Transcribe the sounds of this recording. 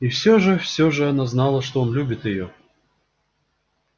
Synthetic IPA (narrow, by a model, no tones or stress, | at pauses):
ifsʲoʐɨfsʲoʐɨɐnaznɑlˠəʂt̪oonlʲubʲɪt̪jɪjo